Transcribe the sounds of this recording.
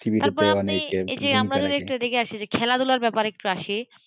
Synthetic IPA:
ʈʰibit̪aɾpɔɾaanieḛd͡ʑeamɾad͡ʒod̪iekʈud̪ekʰeaʃid͡ʑekʰɛlad̪ulaɾbɛpaɾeek̚ʈuaʃi

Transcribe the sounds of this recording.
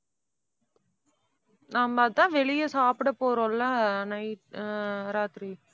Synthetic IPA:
nɐmbɐːt̪ãːʋɛɭɪjɐsaːpɪɽɐpoːɾõːlːãːnɐɪʈɾaːt̪ɪɾi

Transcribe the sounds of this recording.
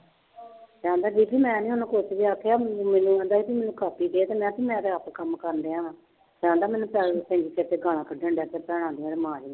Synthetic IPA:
d͡ʒãːnd̪aːd͡ʒiːpʰiːmɛ̃ːnĩːoñːkʊt͡ʃdiːaːkʰːeaːmɛːnũːɛ̃ːnd̪aːipʰiːmɛːnũːkaːpiːd̪eːt̪eːmɛ̃ːpiːmɛ̃ːt̪eapkəmkəɾnd̪eːãː | d͡ʒãːnd̪aːmɛːnũːpɛpɛ̃ːɲd͡ʒikʰeːt̪eːɡaːl̃ãːkəɖə̃ɳɖaːt̪eːpɛːɽ̃ãːnd̪iːãːɾemaːɾiːnː

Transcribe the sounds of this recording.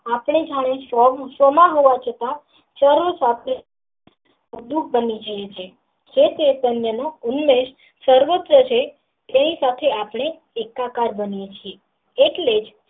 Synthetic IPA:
apɳid͡ʒʱaɽ̃esosomaɦoʋat͡ʃʰət̪ã | t͡ʃəɾosapɳe | ud̪uk̚bənid͡ʒəjet͡ʃʰe | kʰet̪et̪ənjənounːeʃ | səɾʋot̪ːɾət͡ʃʰe | t̪enisat̪ʰeapɽ̃eː | kːakaɾbənijet͡ʃʰie | eʈled͡ʒ

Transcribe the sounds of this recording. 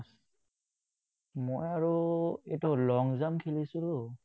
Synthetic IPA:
s | mojaɹuɛ̰tɔlɔŋzamkʰilisulo

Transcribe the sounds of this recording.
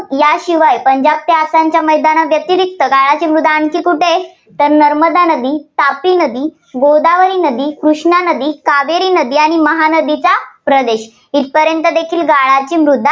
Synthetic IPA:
jaɕiʋajpəɲd͡ʑab̚t̪easaɲt͡ɕjaməjd̪anaʋjət̪iɾik̚t̪əɡaɭat͡ɕiːmɾud̪ʱːaəɳkiːkuʈe | t̪əɾnəɾməd̪anəd̪iːt̪apinəd̪iː | ɡod̪aʋəɾiːnəd̪iːkɾuɕɳanəd̪iːkaʋeɾiːnəd̪iːaɽ̃iməɦanəd̪it͡sapɾəd̪eɕ | it̪̚pəɾjənt̪əd̪ekʰiːlɡaɭat͡ɕiːmɾud̪ʱːa

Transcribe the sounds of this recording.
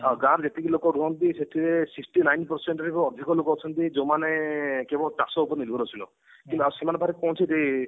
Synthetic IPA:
aɡãɾd͡ʒet̪ikilokɔɡuɦɔnt̪iset̪ʰiesiksʈinajnpɔɾseɳʈɔɾikɔɔd̪ʱikɔlokɔɔt͡ʃʰɔnt̪id͡ʒomanekebɔʈasɔupɔɾnilbʱɔɾɔt͡ʃʰilɔ̰ | kint̪uasemanebʱaɾepɔ̃w̃t͡ʃʰit̪e

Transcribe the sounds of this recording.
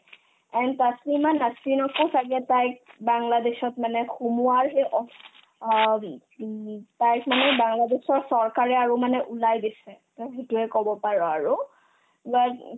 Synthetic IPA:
ɛntasimanːasinɔkɔsaɡɛtajk̚baŋladesɔtmanɛxumuaɹɦɛʔɔ | tajkmanɛbaŋladesɔɹsɔɹkaɹɛaɹumanɛʔulajdisɛtɔxetuɛkɔbɔpaɹɔaɹʊ | bat

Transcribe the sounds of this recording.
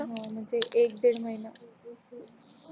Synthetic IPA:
ɦãm̤əɳd͡zeʔek̚d̪eɽməɦina

